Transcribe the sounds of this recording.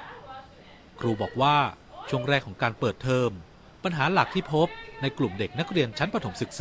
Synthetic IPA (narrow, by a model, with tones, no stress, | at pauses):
kʰɾuː˧bɔː˨˩k̚waː˥˩ | t͡ɕʰu˥˩əŋɾɛː˥˩kʰɔː˩˦ŋkaː˧npɤː˨˩t̪ʰːɤː˧m | pa˧nɦaː˩˦la˨˩k̚t̪ʰiː˥˩pʰo˦˥p̚na˧jklu˨˩mde˨˩k̚na˦˥k̚ɾi˧ənt͡ɕʰa˦˥npɾa˧t̪ʰo˩˦msɯ˨˩k̚sa˩˦